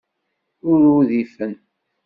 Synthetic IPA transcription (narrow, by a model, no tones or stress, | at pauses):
ʊɾuðifən